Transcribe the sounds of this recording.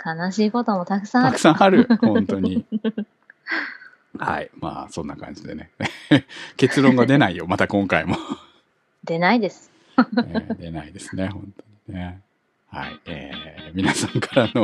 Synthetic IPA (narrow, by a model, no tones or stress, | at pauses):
kʰanaɕiːko̞t̪omot̪akɯ̟̥sãakɯ̟̥sãhaɾɯ̟hõ̞nnt̪o̞ɲi | ha̰ima̰ːsõ̞nːakã̰ɲ̟d͡ʑid̪e̞̰ne̞eke̞t͡sɨɾõ̞ŋɡad̪e̞naijo̞mat̪akõ̞ŋkaimo̞ | d̪e̞naid̪e̞sɨ̥ | ed̪e̞naid̪e̞ssɨne̞hõ̞nt̪o̞ɲine | ha̰ieːmʲinasãŋkaɾano